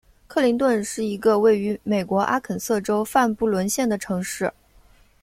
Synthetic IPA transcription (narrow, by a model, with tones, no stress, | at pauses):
kʰɤ˥˩li˧˥ŋt̪wə˥˧nʂɻ̩˥˩i˧˥ɡə˧we˥˩ɪy˧˥me˨˩ɪkwɔ˧˥ʔa̰˥kʰə˨˩nsɤ˥˩ʈ͡ʂo˥ʊfa˥˧npu˥˩lwə˧˥nɕjɛ˥˩nd̪ə˩ʈ͡ʂʰɤ˧˥ŋʂɻ̩˥˩